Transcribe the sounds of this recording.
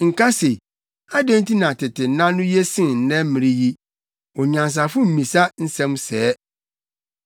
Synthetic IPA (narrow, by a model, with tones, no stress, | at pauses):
ŋ̩˨kʰa˦se˨ | a˦dɛ̃˦n˦tʰi˦nã˨tʰɪ˨tʰɪ˨˦nã˦nʊ̃˦jɛ˦sɪ̃˦nn̩˨nɛ̃˦m̩˦mɪ̃˨ɾɪ˦ji˦ | ɔ˨ɲã˨ns̬a˨fʊ˦m̩˨mĩ˨sa˦n̩˦sɛ̃˦msɛː˦